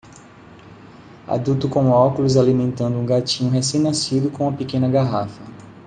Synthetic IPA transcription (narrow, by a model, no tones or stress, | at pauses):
a̰d̪ut̪ʊkõʊakulʊzalimẽnt̪ɐ̃nd̪ʊũɡat͡ʃĩɲʊɦesẽj̃nasid̪ʊkõũmɐpikẽnɐɡaɦafɐ